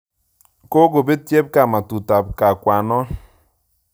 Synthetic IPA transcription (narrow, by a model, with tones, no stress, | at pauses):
ko˦ɡo˨be˦tje˦p̚ka˨ma˨tu˨ta˨p̚ka˨kwa˨nɔ˦